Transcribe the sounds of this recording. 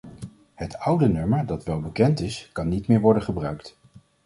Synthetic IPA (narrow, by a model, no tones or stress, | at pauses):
hətʌwdənɵməɹdɑtʋɛlˠbəkɛntɪskɑnːitmɪːɹʋɔɹdənχəbrœɥkt